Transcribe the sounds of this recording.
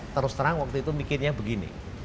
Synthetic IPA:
t̪əɾʊst̪əɾaŋwak̚t̪uit̪umikɪrɲabəɡinḭ

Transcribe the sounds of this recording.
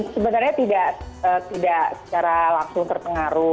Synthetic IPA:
səbənarɲat̪idaʔət̪idaʔsə̥t͡ʃaɾalaŋsʊŋt̪ərpəŋaɾʊ

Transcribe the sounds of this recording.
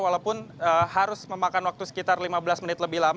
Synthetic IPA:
walawpʊnəɦaɾʊsməmakanwak̚t̪usə̥kit̪arlimabəlasmənɪt̪ləbɪhlam

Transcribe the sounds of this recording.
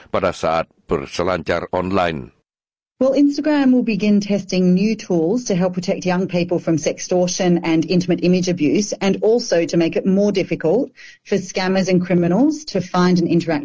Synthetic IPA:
b̥adasat̚b̥ə̰ɾsəlãnt͡ʃa̰ɾɔ̃nla̰ɪn | wɛlˠɪ̃nstəɡɹæ̃mwɪlˠbɨɡɪ̃ntʰɛstɪ̃ŋnjʉtʰulˠz̥tʰɨɦɛlˠpʰɹ̥ətʰɛk̚t̚jʌ̃ŋpʰipəl̩ˠfɹʌ̃msɛkstɔɹʃɨ̃nɨ̃nɪ̃ntəmɨɾɪ̃mɨd͡ʒɨbjʉsɨ̃nɔˑlˠsoʊɾɨmeɪkɨt̚mɔɹdɪfɨkəlˠt̚ | fə˞skæmə˞zɨ̃nkʰɹ̥ɪmɨnl̩ˠz̥tʰɨfãɪ̃ndɨ̃nɪ̃ntə˞æk̚

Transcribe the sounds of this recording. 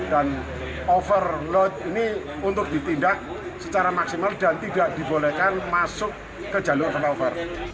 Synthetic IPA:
d̥an | ofərlɔt̪̚ini | unt̪ʊk̚d̥it̪indak̚ | sət͡ʃaɾamaksimaldant̪idaʔd̥i̤bolɛkanmasʊkː | əd͡ʒaluŋanfənofər

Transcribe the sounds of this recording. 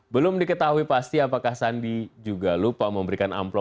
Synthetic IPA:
bəlʊmdikət̪aɦuipast̪iapakahsandid͡ʒuɡalupaməmbəɾikana̰mplɔ

